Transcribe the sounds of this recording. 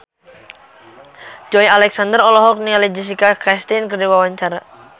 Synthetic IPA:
d͡ʒɔjalɛksand̪ərɔlɔɦɔk̚nialid͡ʒis̬ikakɾɛst̪inkərdiwawaɲt͡ʃaɾa

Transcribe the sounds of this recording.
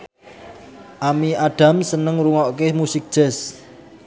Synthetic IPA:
ʔamiʔaɖ̥a̤msənəŋɾuŋɔʔkemusɪk̚ʒ̥ɛ̤s

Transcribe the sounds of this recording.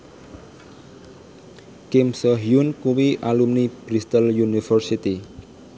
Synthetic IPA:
kɪmsɔɦjunkuwiʔalumnib̥ɾist̪əljunifərsit̪i

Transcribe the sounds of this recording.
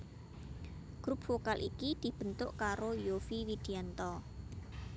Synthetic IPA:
ɡ̥ɾup̚fokalʔikid̪̥i̤b̥ə̤nt̪ʊʔkaɾojofiwid̪̥i̤ant̪ɔ

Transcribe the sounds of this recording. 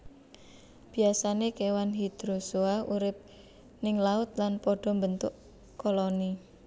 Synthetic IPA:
b̥i̤asanekewanɦid̪̥ɾosoauɾɪp̚ | nɪŋlaʊt̪̚lanpɔɖ̥ɔ̤mbənt̪ʊʔ | koloni

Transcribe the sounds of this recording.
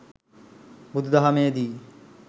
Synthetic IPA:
bud̪ʱd̪ɐɦɐmeːd̪iː

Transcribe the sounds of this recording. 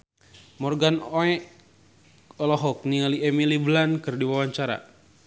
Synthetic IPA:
mɔrɡanoɛ | ɔlɔɦɔk̚nialiɛmiliblankɨrdiwawaɲt͡ʃaɾa̰

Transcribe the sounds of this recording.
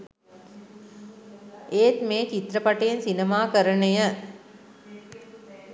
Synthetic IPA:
ʔeːt̪meːt͡ʃit̪rəpaʈejensinemaːkəɾənəjə

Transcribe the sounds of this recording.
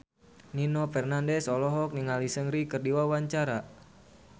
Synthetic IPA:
ninofɛrnandɛsɔlɔɦɔk̚niŋalisəŋɾikərdiwawaɲt͡ʃaɾa

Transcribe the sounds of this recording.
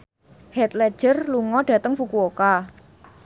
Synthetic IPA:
hɛt̪lɛ̥ʒ̥ərluŋɔɖ̥ä̤t̪əŋfukuoka

